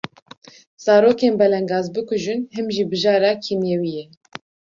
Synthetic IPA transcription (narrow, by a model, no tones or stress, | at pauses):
z̥ɑːɾoːkeːnbɛlɛŋɡɑːzbɨkʰʊʒɨnɦɨmʒiːbɨʒɑːɾɑːkʰimjeːwijɛ